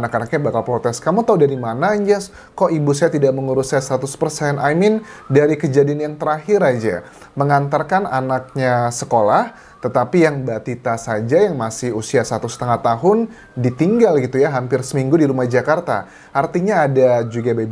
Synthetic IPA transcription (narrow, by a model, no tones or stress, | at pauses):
anakanakɲabakalpɾot̪ɛskamut̪audaɾimanaɲd͡ʒɛs | kɔʔibusajat̪idaʔməŋuɾusajasat̪ʊspərsɛnamɪndaɾikəd͡ʒadianjaŋt̪əɾahɪɾad͡ʒa̰ | məŋant̪arkananak̚ɲasəkolah | t̪ət̪apijaŋbat̪it̪asad͡ʒajaŋmasɪhusiasat̪usə̥t̪əŋaht̪aɦʊn | dit̪iŋɡalɡit̪ujaɦampɪrsəmiŋɡudiɾumahd͡ʒakart̪a̰ | ʔart̪iɲaːdad͡ʒuɡabab